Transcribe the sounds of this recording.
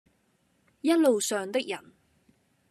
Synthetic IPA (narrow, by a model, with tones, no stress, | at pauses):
jɐ˥t̚lo˨wsœː˨ŋt̪ɪ˥k̚jɐ˨˩n